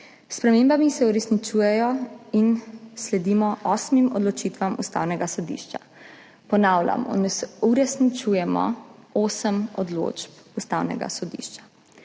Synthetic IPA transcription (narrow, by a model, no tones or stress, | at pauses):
spɾɛmeːmbamisɛuɾɛsnit͡ʃuːjɛjɔinslɛd̪iːmɔʔɔsmimɔ̰d̪lɔt͡ʃiːt̪ʋamust̪a̰wnɛɡasɔd̪ḭːʃt͡ʃa̰ | pɔnaːwlʲa̰mɔ̰nsuɾɛsnit͡ʃujɛmɔ̰oːsəmɔd̪lo̰d͡ʒpust̪aːwnɛ̰ɡa̰sɔd̪ḭʃt͡ʃḁ